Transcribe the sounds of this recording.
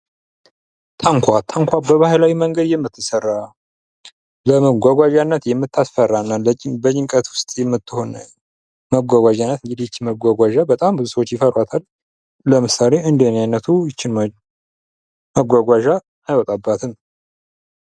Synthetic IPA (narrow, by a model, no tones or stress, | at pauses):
t̪ʰaŋkʷʰat̪ʰaŋkʷʰabəβahlawiməŋɡəd̪jɛmːɨt̪ʰːɨsərːa | ləməɡʷaɡʷaʒanːət̪jɛmːɨt̪ʰːasfərːanːaləbət͡ʃːɪŋkʼət̪wʊst̪ʼjɛmːɨt̪ːɨho̞nə | məɡʷaɡʷaʒanːət̪ɨd͡ʒid̪it͡ʃːiməɡʷaɡʷaʒabət̪ʼambɨzusəwot͡ʃːjɪfərat̪ʰal | ləmɨsale̞ɨnd̪ənjajnːət̪ʰujɪt͡ʃːɪn | məɡʷaɡʷaʒaː | jwɔt̪ʼabːat̪ʰɨn